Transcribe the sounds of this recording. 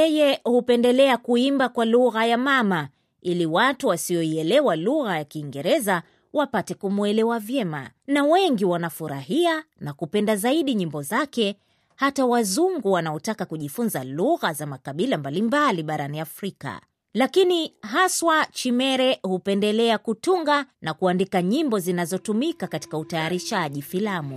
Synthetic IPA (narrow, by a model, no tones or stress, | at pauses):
ɛjɛhupɛndɛlɛakuimbakwaluɣajamama | iliwatuwasiɔiɛlɛwaluɣajakiːŋɡɛɾɛza | wapatɛkumuɛlɛwavjɛma̰nawɛŋɡiwanafuɾa̰hianakupɛndazaiɗiɲimbɔzakɛ | hatawazuŋɡuwanaɔtakakuʄifunzaluɣazamakaɓilambalimbaliɓaɾaniafɾika̰ | lakiniɦaswat͡ʃimɛɾɛhupɛndɛlɛakutuŋɡanakuandikaɲimbɔzinazɔtumikakati̥kautajaɾiʃaʄifilamu